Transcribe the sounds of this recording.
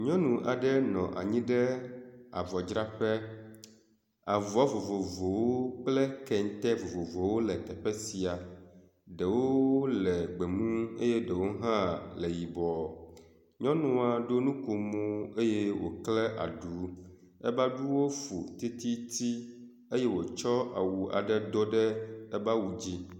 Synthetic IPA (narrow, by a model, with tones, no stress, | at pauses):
ɲɔ̃˦nũ˨ʔa˨ɖɛ˦nɔ̃˨ʔa̰˨ɲĩ˦ɖɛ˦a̰˨vɔ˨d͡ʒɾa˦ɸɛ˦ | a˨vɔ˨a˦vo˨vo˨vo˨wo˦k͡plɛ˦kɛ˨ŋ˦t̪ɛ˦vo˨vo˨vo˨wo˦lɛ˨t̪ɛ˨ɸɛ˦si˨a˨ | ɖɛ˨wo˦lɛ˨ɡ͡be˨mũ˦e˦jɛ˦ɖɛ˨wo˦ɦã˦lɛ˨ji˨bɔ˨ | ɲɔ̃˦nɔ̃˦a˨ɖo˦nũ˦ko˨mo˦e˦je˦wo̰˨klɛ˦ʔa̰˨ɖu˨˦ | ɛ˦ba˦ɖu˦wo˦fṵ˨t̪i˦t̪i˦t̪i˦ | e˦jɛ˦wo˨t͡ʃɔ˦a̰˨wu˨a̰˨ɖɛ˦d̪o˦ɖɛ˦ɛ˦ba˦wu˨d͡ʑi˦